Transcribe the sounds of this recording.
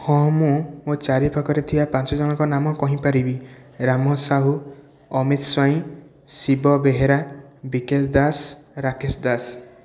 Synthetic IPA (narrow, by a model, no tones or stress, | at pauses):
hɔ̃mũmot͡ʃaɾipʰakɔɾet̪ʰibapãnt͡ʃɔd͡ʒɔɽ̃ɔkɔnamɔkɔɦĩpaɾibiɾamɔsaɦu | ɔmit̪swaĩ | sibɔbeɦeɾabikesd̪asɾakesd̪as